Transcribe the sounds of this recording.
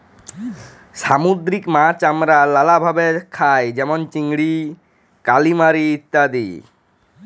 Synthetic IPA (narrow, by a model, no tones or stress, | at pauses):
samud̪ɾikmat͡ɕamɾalalabʱabekʰajd͡ʒɛmɔnt͡ʃiŋɡɽi | kalimaɾiːt̪ːad̪ḭ